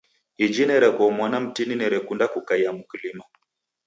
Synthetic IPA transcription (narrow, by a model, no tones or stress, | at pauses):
id͡ʒinɛɾɛkɔmwanam̩tininɛɾɛkundakukaijamukilinɔ